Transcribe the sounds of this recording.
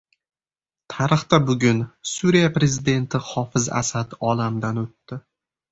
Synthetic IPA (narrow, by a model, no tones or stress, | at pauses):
t̪ʰaɾɨχt̪abʊɡʲʊnsuɾijapɾe̞zɪd̪e̞nt̪ʰɪhɒfɪza̰sad̪ɒlamd̪anot̪ːɪ